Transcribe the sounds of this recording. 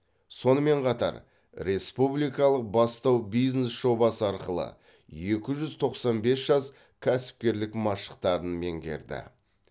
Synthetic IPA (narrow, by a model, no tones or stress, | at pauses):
so̞nəme̞ɴqʰɑt̪ɑ̰ɾ | ɾe̞spublijkɑlˠəq̚bɑst̪ɑwbijznesʒo̞bɑsəɑɾqəlˠə̰ | je̞kʲɪʒʏzt̪ʰo̞qsɑnbe̞sʒ̥ɑs | kʲʰæsɪ̥p̚kʲe̞ɾlɪkmɑʃə̥q̚t̪ɑɾənme̞ŋɡʲe̞̰ɾd̪ɪ̰